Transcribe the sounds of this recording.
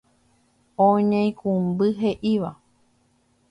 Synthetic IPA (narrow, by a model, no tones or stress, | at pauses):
õɲẽj̃kũmbɨɦeʔiʋa